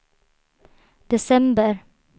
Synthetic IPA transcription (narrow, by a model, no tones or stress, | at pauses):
d̪̥ɛsɛmbəɾ